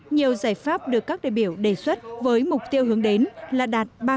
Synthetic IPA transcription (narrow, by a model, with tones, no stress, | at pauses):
ɲi˨˩əwzaː˧˩jfaː˦˥p̚ɗɨ˨˩əkːaː˦˥k̚ɗa̰ː˧˨jɓi˧˩əwɗe˧˩swə˦˥t̚vəː˨˦jmʊ˨˩k͡p̚t̪i˧əwɦɨ˨˦əŋɗe˨˦nlaː˨˩ɗaː˨˩t̚ɓaː˧